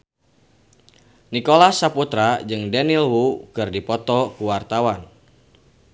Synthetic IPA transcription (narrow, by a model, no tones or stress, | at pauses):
nikolasaput̪ɾad͡ʒɨŋdɛnilwukɨrdipɔt̪ɔkuwart̪awan